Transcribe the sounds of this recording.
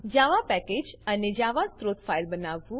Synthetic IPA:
d͡ʒaːʋapɛkeːd͡ʒəned͡ʒaʋast̪ɾoːt̪fʰailbənaʋːũ

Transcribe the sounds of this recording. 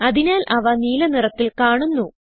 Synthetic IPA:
ɐðinaːlʔɐʋɐniːlɐnirɐt̪ːilkaːɳunːu

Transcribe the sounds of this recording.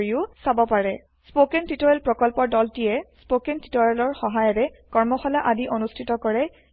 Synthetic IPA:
ɹiʊsabɔpaɹɛ | spokɛntitɔɹɛlpɹɔkɔlpɔɹdɔltijɛspokentitɔɹɛlɔɹxɔɦajɔɾɛ | kɔɹmɔxɔlaʔadiʔonustʰitɔkɔɹɛ

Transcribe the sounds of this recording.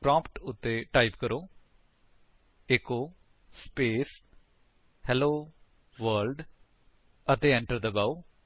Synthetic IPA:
pɾãːmpʈʊt̪ːeːʈaːipkəɾoː | ekoː | speːs | hɛloː | ʋəɾlɖ | ət̪eːɛ̃ɳʈəɾd̪əbaːu

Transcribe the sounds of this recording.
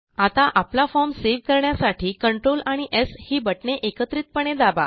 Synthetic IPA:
at̪aʔaplafɔɾmseʋkəɾɳjasaʈʰiːkəɳʈɾolaɽ̃iʔeshiːbəʈɳeʔekət̪ɾiːt̪̚pəɳ̃ed̪aba̰

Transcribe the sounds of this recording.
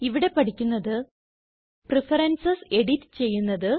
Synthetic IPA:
iʋiɽe̞pɐʈʰikʲːunːɐðɨ | prifɐɾɐnsɐse̞ɽitːɨ̥t͡ɕe̞jːunːɐðɨ

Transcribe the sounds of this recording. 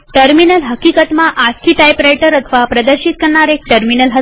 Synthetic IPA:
ʈəɾminəlɦəkikət̪maʔat̪kiʈajpɾajʈəɾət̪ʰʋapɾəd̪əɾɕit̪̚kəɾɳaɾek̚ʈəɾminəlɦə

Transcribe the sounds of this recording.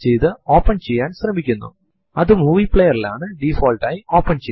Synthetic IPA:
t͡ɕejt̪ɨo̞ːpːɐɳt͡ɕe̞jːaːnɕrɐmikʲːunːṵ | ɐðɨmuːʋiːpɭejɐrilaːɳɨɖifoːlʈaːjio̞ːpːɐɳt͡ɕe

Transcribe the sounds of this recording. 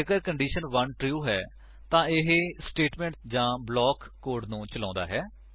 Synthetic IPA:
əɡəɾkəɳɖiːʃənʋənʈɾjuːɦɛː | t̪ãːɪɦsʈeːʈmɛ̃ːɳʈ̚d͡ʒãːblɔːkːoːɾɖnũːt͡ʃəlãːnd̪aːɦɛː

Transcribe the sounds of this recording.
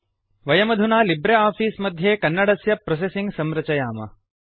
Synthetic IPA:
ʋɐjɐmɐd̪ʱunaːlibɾeaːfiːsmɐd̪ʱjeːkɐnːɐɽɐsjɐpɾos̬esiŋɡsɐmɾɐt͡ʃɐjaːmɐ̰

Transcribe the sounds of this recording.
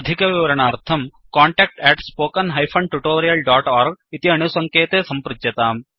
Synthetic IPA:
d̪ʱikɐʋiʋɐɾɐɳaːɾt̪ʰɐm | kaːɳʈeːk̚ʈɛːʈspoːkɐnɦɐjfpʰɐɳʈuʈoːɾijɐlɖaːʈaːɾɡ̚it̪iɐɳusɐŋkeːt̪eːsɐmpɾɪd͡ʒ̪jɐt̪aːm

